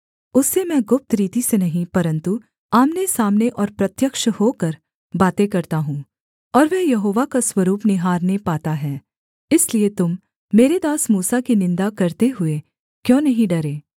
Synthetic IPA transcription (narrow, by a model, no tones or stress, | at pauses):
ʊsːemɛ̃ːɡʊp̚t̪ɾiːt̪isenɐɦĩpɐɾə̃nt̪u | aːmnesaːmneʔɔːɾpɾɐt̪jəkʃhoːkɐɾ | baːt̪ekɐɾt̪aɦũ | ɔːɾʋɛːjɐɦoːʋakaswɐɾuːpnɪɦaːɾnepaːt̪aɦɛː | ɪsliet̪ʊmː | eːɾed̪aːsmuːsakinɪ̃nd̪akɐɾt̪eɦʊe | kjõːnɐɦĩɖɐɾeː